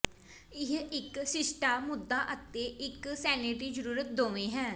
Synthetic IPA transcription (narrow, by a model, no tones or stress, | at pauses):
ɪɦɪksɪsʈaːmʊd̪ːaːʔət̪eːʔɪksɛːneʈɾiːd͡ʒəɾuːɾət̪̚d̪oːʋẽːɦɛ̃ː